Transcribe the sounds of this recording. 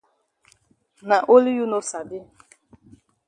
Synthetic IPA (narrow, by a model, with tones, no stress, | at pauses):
na˨ʔo˦li˦ju˦no˦sa˨dɪ˦